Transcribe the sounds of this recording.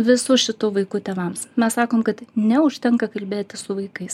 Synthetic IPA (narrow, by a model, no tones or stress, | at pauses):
ʋʲɪsʊʃʲɪt̪uʋɐɪkʊt̪ʲeːʋɐmsmʲɛssɑːkoːmkɐt̪nʲɛʊʃʲt̪ʲɛŋkɐkɐlʲbʲeːt̪ʲɪsʊʋɐɪkɐɪs